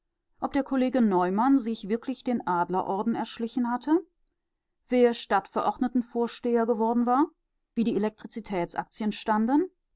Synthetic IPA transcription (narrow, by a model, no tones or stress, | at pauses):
ʔɔp̚d̥eːɐkʰoleːɡənɔʏmanzɪçv̥ɪɐkʰlɪçd̥eːnʔaːdlɐʔɔɐdn̩ɛɐʃlɪçn̩hatʰə | veːɐʃtatfɛɐʔɔɐdnətn̩foːɐʃteːɐɡəvɔɐdn̩vaːɐ | viːdiːelɛk̚tʁ̥it͡sitʰɛːt͡sʔa̰k̚t͡sjənʃtandən